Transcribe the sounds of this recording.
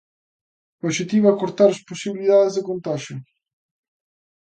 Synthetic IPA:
paʃet̪iβakoɾt̪aɾasposiβiliðaðezðɪkõnt̪aʒʊ

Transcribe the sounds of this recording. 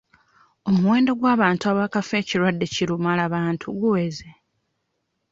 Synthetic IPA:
o̞muwe̞ːndo̞ɡwaːβaːntuaβaːkafe̞ːciɾwadːe̞ciɾumalaβaːntʰuɡuweːze

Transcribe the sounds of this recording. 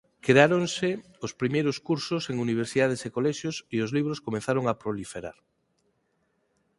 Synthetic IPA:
kɾeaɾonse | ospɾimejɾoskuɾsoseŋuniβ̞eɾsiðað̞esekolɛʃjosiozliβ̞ɾoskomẽnθaɾoŋapɾolifeɾa̰ɾ

